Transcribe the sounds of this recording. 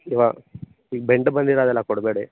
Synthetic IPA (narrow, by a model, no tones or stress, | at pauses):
iʋa | iːɡ̚beɳʈbɐnd̪iɾaːd̪ɛlːɐkɔɽbeːɽi